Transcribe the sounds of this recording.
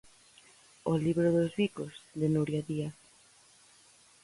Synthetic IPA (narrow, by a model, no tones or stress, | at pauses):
oliβɾoðozβikozðenuɾjaðia